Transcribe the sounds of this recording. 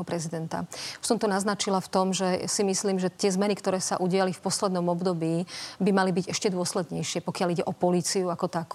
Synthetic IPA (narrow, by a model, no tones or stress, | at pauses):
ɔpɾɛzid̪ɛnt̪a̰sɔmt̪ɔnaznat͡ʃilaft̪ɔmʒɛsimisliːmʒɛt̪ɪɛzmɛnikt̪ɔɾɛːsa̰ʔuɟɪalifpɔslɛd̪nɔmɔbd̪ɔbiːbimalibiɟɛʃcɛd̪ʊɔslɛd̪ɲɛjʃɪɛpɔkɪaliɟɛʔɔpɔliːt͡siuakɔt̪ak